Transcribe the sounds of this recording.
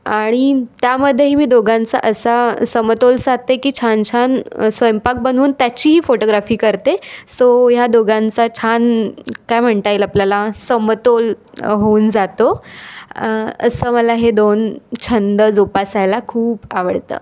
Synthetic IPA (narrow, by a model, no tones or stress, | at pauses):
aɽ̃it̪jaməd̪ʱːjeɦiːmiːd̪oɡãnt͡sa̰ʔəsasəmət̪olsat̪ekiːt͡ɕʰant͡ɕʰansʋəjmpak̚bənuːnt̪jat͡ɕiːɦiːfoʈoɡɾafiːkəɾt̪esojad̪oɡʱãnt͡sat͡ɕʰankajm̤əɳt̪ajelapljalasəmət̪olɦound͡zat̪o | ə̰səːməlaɦed̪ont͡ɕʰənd̪əd͡zopasajlakʰuːpa̰ʋəɽt̪ə̰ː